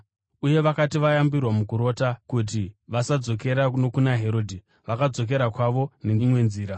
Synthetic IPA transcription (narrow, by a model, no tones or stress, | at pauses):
uje̞ʋakatiʋajambirwamukuɾo̞ːtakut̬iʋasad͡zo̞k̬e̞ɾanokunaɦe̞ɾo̞ːdʱi | ʋakad͡zo̞k̬e̞ɾakwaʋo̞nemwe̞nziːɾa